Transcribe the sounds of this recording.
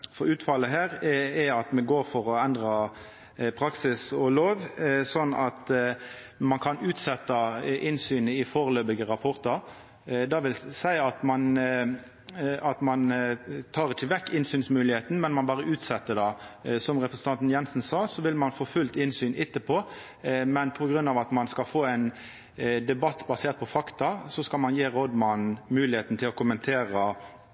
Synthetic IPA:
fɔɾʉːt̪fɑləɦæːɾɛɑt̪mɛɡoːɾfɔɾɔɛnd̪ʁɑ | pʰɾɑksɪsɔloːʋsɔnːɑt̪ | mɑnkʰɑnʉːt̪sɛt̪ːɑʔɪnsyːnəɪfoːɾəløːbəɡəʁɑpʰɔɾt̪ɑɾ | d̪ɑːʋɪlsæɪɑt̪mɑn | ɑt̪mɑnt̪ʰɑːʁɪçəʋɛkːɪnsyːnsmʉːlɪheːt̪n̩mɛnmɑnbɑːʁəʔʉːt̪sɛt̪ːəd̪ɑːsɔmʁɛpʁəsən̩t̪ɑnt̪n̩jɛnsn̩sɑːsɔʋɪlmɑnfoːfʉlt̪ɪnsyːnʔɪt̪ːəpʰɔː | mɛnpʰɔɡʁʉnːɑːʋɑt̪mɑnskɑfoːæɪn | d̪ɛbɑt̪ːbɑseːʁt̪̚pʰɔfɑkt̪ɑsɔskɑlmɑnjeːʁɔd̪mɑnmʉːlɪheːt̪n̩t̪ʰɪlɔkʰʊmənt̪ʰeːʁə

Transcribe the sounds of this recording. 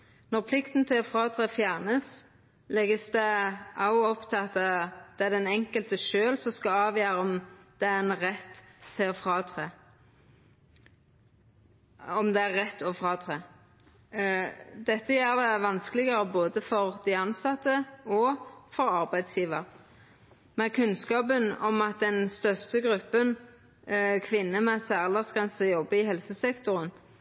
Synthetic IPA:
nɔʁpʰlɪkt̪nt̪ʰɪlɔfʁɑːt̪ʰʁeːfjæʁnəs | lɛɡəsd̪ɛʔɑʊɔpt̪ʰɪɑt̪əd̪̥ɛæd̪ɛnɛŋkəlt̪əʃøːlsɔskɑɑːʋjøːɾəɔmd̪̥ɛæɾɛnʁɛt̪ʰːɪlɔfɾɑːt̪ʰʁeː | ɔmd̪ɛæʁːɛt̪ːɔfɾɑːt̪ʰʁeː | d̪ɛt̪ːəjæːʁd̪ɛʋɑnskəlɪɡəɾəboːd̪əfɔʁd̪ɪɑnsɑt̪ːəɔfɔɾɑɾbæɪd̪sjiːʋəʁ | mɛkʰʉnskɑːpənɔmɑt̪̚d̪ɛnst̪œʁst̪əɡɾʉpːən | kʰʋɪnːəmɛsæːʁlɑsɡʁɛnsəjɔbːəɪɦɛlsəsɛkt̪ʊɾən

